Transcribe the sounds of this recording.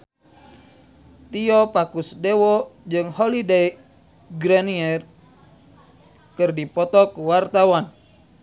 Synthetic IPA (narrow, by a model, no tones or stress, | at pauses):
t̪iɔpakusdewɔd͡ʒɨŋhɔlidei | ɡɾaniɛr | kɨrdipɔt̪ɔkuwart̪awan